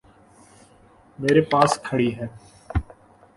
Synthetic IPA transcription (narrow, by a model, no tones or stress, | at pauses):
meːɾepaːskʰəɽiːɦɛː